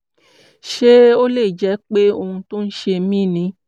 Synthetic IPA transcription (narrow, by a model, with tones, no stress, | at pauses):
ʃe˦o˦le˦˨d͡ʒɛ˨˦k͡pe˦o˧hũ˧tõ˦n̩˦ʃe˧˦mĩ˦˨nĩ˨˦